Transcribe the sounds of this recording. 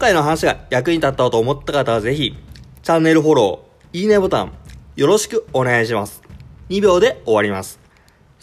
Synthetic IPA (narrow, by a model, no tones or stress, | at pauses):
kõŋkaino̞ɦanaɕiɡajak̬ɯ̟ɲ̟it̪at̪ːaot̪oːmo̞t̪ːakat̪aaze̞çit͡ɕãnːe̞ɾɯ̟ɦo̞ɾo̞̰ː | iːnebo̞t̪ã̰ɴjo̞ɾo̞ɕi̥kɯ̟o̞ne̞ɡaiɕ̬imasɨ̥ɲ̟ibʲo̞ːd̪e̞o̞βaɾʲimasɨ̥